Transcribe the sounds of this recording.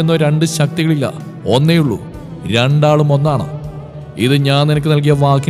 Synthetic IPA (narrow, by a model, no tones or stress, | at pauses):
enːoːɾe̞ɳɖɨɕɐk̚t̪iɣɐɭilːɐ̰ | o̞nːejuɭːṵ | ɾe̞ɳɖaːɭumo̞nːaːɳɨ̰ | ḭðɨɲaːnninɐk̬ʲːɨnɐlk̬ijɐʋaːkːi